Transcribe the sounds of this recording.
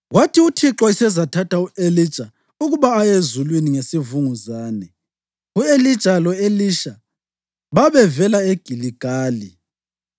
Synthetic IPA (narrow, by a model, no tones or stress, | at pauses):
ɣwatʰiutʰiǁɔisɛzatʰatʰauelid̥t͡ʃʼa | uɣuβaːjezulwiniŋesivuŋuzaːnɛ | uelid̥ʒ̥ʼʱalɔeliʃa | βaβɛvɛlaeɡ̥ʱiliɡ̥ʱaːli